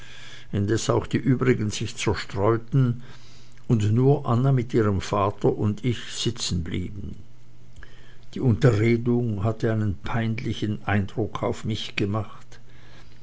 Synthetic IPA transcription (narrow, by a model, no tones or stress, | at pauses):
ɪndɛsaʊxd̥iːʔyːbʁɪɡənz̥ɪçt͡sɛɐʃtʁ̥ɔʏtn̩ | ʊntnuːɐʔanɐmɪtʔiːʁəmfaːtʰɐʔʊndɪçz̥ɪt͡sn̩blḭːbn̩ | d̥iːʊntɐʁeːdʊŋhatəaɪnənpʰaɪndlɪçənʔaɪndʁʊkʰaʊfmɪçɡ̥əmaχt